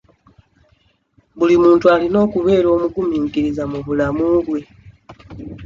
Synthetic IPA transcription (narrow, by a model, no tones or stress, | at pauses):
βulimuːntualino̞ːkuβe̞ːɾo̞ːmukumiːŋkiɾizamuβulamuβwe̞